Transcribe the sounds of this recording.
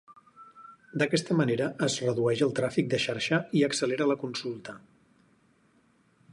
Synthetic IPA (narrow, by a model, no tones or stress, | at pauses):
d̪əkɛst̪əməneɾəʔəzrəðuɛʒəlˠt̪ɾafik̚d̪əʃaɾʃəiəksəleɾələkunsulˠt̪ə